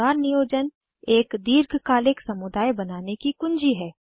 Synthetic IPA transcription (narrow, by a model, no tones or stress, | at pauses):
aːɾnɪjoːd͡ʒən | eːkd̪iːɾɡʱkaːlɪksɐmʊd̪aːjbɐnaːnekikʊ̃nd͡ʒiɦɛː